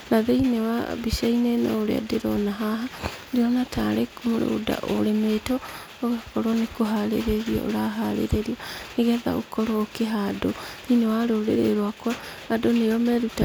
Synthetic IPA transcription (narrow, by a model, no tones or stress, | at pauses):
naðeinewa̰biʃainena̰oɾea̰deɾɔ̰naɦaɦadeɔnatʰaɾekomoɾooda̰ʔo̰ɾemetɔ | oɣakɔɾɔnekoɦaɾḛɾeɾiɔ̰o̰ɾaɦaɾḛɾeɾianeɣɛða̰o̰kɔɾɔːkeɦadoninewaɾooɾḛɾeɾwakwa | adonejɔmɛɾuta